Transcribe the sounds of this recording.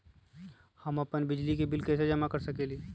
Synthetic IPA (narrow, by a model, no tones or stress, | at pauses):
hɐmɐpənbɪd͡ʒlikibɪlkɛːsed͡ʒɐmakɐɾsɐkeːli